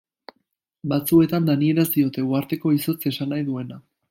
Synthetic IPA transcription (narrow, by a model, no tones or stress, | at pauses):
bat͡sue̞t̪and̪anie̞ɾazd̪io̞t̪e̞uaɾt̪e̞ko̞iso̞t͡se̞sanajðue̞na